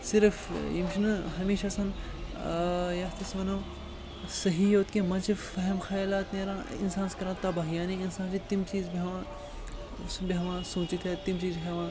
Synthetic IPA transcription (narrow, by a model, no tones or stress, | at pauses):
sɪɾfjḭmʃinɨɦɐmeːʃasɐn | jaːt̪isʋɐnɐː | sɐɦijoːt̪kẽmɐ̃t͡ʃifɐɦɛmxɐjaːlaːt̪neːɾãːɪ̰nsãːnskɐɾãːt̪ɐbaːɦijãːnẽinsãːnt͡ʃit̪imt͡ʃiːzbiɦɐã | biɦɐʋãːsũːt͡ʃit̪ɦɛt̪imt͡ʃiːzɦɛʋãː